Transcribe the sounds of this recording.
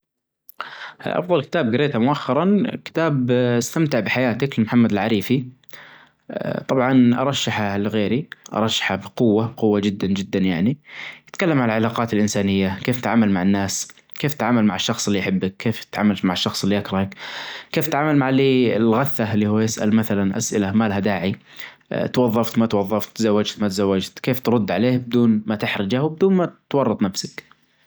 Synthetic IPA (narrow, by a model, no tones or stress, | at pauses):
ʔɑ̰fðˤɑlkɪ̥t̪aːb̚ɡɪɾeːt̪amʊʔaxːɑɾˤɑnkɪ̥t̪aːbst̪amt̪ɪʕbɪħajaːt̪ɪklmħamːad̪lʕaɾiːfi | t̪ˤɑbʕɑnʔɑ̰ɾˤɑʃːaħalɣeːɾiʔɑ̰ɾˤɑʃːḁħabqʊwːabqʊwːad͡ʒɪd̪ːand͡ʒɪd̪ːanjaʕnijɪt̪kalːamʕalalʕalaːqɑːt̪ɪlʔɪnsaːnɪjːakeːft̪ʕaːmalmaʕɪnːaːs | keːft̪tʕaːmalmaʕɪʃːɑxsˤɪlːijħɪbːɪk̚kʰːeːfɪt̪ʕaːmalt̪maʕɪʃːɑxsˤɪlːiʔakɾˤɑhakkeːft̪ʕaːmalmaʕliːɪlɣaθːalːiːhuːjɪsʔa̰lmaθalanʔa̰sʔɪlamaːlɦad̪aːʕḭ | t̪wɑðˤːɑft̪mat̪wɑðˤːɑft̪ːzawːad͡ʒt̪mat̪zawːad͡ʒt̪keːft̪ɾˤʊd̪ːʕaleːhbɪd̪uːnmat̪ɪħɾɪd͡ʒahwbɪd̪uːnmat̪wɑrˤːɑt̪ˤnafsak